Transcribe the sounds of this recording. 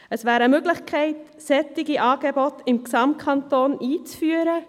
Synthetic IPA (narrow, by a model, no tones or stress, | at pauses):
əsʋæːɾəmøɡlɪχkʰɛɪt | sɛtɪɡiʔɑːɡ̥ebɔtɪmksɑmt̚kʰɑntoːniːt͡sfyːəɾə